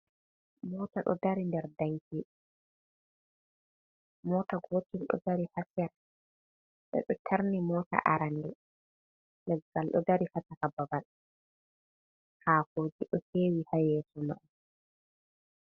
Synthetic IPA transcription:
mɔːtaɗɔ̰daɾindɛɾdaŋki | mɔtaɡotilɗɔ̰daɾihasja | ɓɛ̰ɗɔtʰaɾnimɔːta̰ʔa̰ɾandɛ | lɛɡːalɗɔ̰daɾihatakababal | haːkod͡ʒiɗɔheːwihajɛsɔnɔ

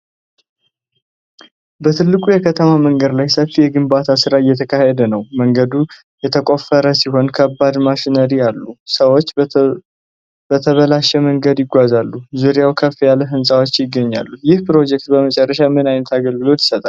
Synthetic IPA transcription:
bət̪ʰɨlːɨkʼujɛkʰət̪ʰəmaməŋɡəd̪lajsəfːijɛɡɨmbat̪ʰasɨɾaɨjːɛt̪ʰəkʰahɛd̪ənəwməŋɡəd̪u | jɛt̪ʰəkʼo̞fːəɾəsiho̞nkʰəbːad̪maʃinəɾijalːusəwot͡ʃː | b̥ət̪ʰəβəlaʃɛməŋɡəd̪jɪɡʷazalːuzuɾijawkʰəfːjalːəɦɨnsʼawo̞t͡ʃːjɪɡːəɲːa̰lːujɪhpɾo̞d͡ʒɛk̚t̪̚bəmət͡ʃʼɛrːəʃamɨnajnət̪aɡəlɡɨlo̞t̪jɪ̥sət̪ʼal

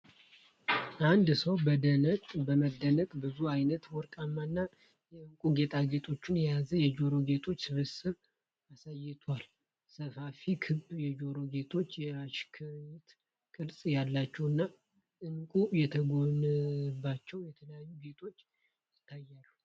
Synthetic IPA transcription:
ʔand̪səwbəd̪ənəkʼbəməd̪ːənəkʼbɨzuajnət̪wɔɾkʼamːanːa | jɛɨŋkʼuɡe̞t̪ʰaɡe̞t̪ʰo̞t͡ʃːɪnjɛjazəjɛd͡ʒo̞ɾo̞ɡe̞t̪ʰo̞t͡ʃːsɨβɨsɨβ | asajːɪt̪ʰal | səfafikʰɨbjɛd͡ʒo̞ɾo̞ɡe̞t̪ʰo̞t͡ʃːjɛɾaʃkʰɨɲɪt̪ | kʼɨɾsʼjalːat͡ʃːɛwɨnːa | ʔɨŋkʼujɛt̪ʰəɡonɨbːat͡ʃːɛwjɛt̪ʰələjajːuɡe̞t̪ʰo̞t͡ʃː | jɪt̪ʰːajːalːu

